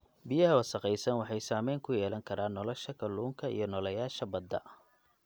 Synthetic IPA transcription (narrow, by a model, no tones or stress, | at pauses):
bɪjɐɦɐwɐsɐqɛjsɐnwɑħɑjsaːmɛjŋkʰʊjɛːlɐŋkʰɐɾaːnːɔlɔʃɐkʰɐluːŋkʰɐḭjɞnɔlɐjaːʃɐbɐd̪ːɐ̰